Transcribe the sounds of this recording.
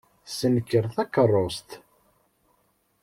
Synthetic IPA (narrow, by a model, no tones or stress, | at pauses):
sənəkːəɾθækərˤːost̪